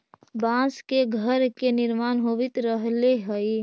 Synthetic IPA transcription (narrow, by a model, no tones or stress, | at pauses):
bãːskeɡʱəɾkenɪɾmaːnɦoːʋɪt̪ɾəɦleɦəi